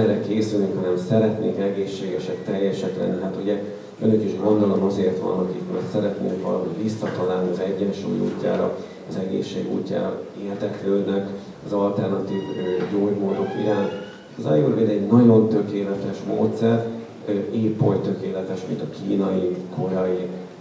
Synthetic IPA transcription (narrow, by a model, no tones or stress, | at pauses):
ɾɛkeːsylnyŋkhɒnɛmsɛɾɛt̪nḛːkɛɡeːʃːeːɡɛʃɛkt̪ɛjːɛʃɛklɛ̰nːiɦaːt̪uɟɛ | ønøkiʃɡo̞nd̪olo̞mɒzeːrt̪ʋɒ̰nɦokik̪kosɛɾɛt̪nḛːŋkʋɒ̰lɒɦo̞̰ɟʋisːɒt̪ɒlaːlniɒzɛɟːɛnʃo̰mḭṵːcːa̰ːɾɒ̰ | ɒzɛɡḛːʃːeːɡṵːcːa̰ːeːrd̪ɛkløːd̪nɛk | ɒzɒlt̪ɛrnɒt̪iːvøɟoːɟmoːd̪o̞kḭɾaːnt̪ | ɒzɒ̰juːɾʋeːd̪ɛɟnɒɟo̞nt̪ø̞keːlɛt̪ɛʃmo̰ːt̪sɛr | øeːpːojt̪ø̞keːlɛt̪ɛʃmḭnt̪ɒkiːnɒjikʰo̞ɾɒji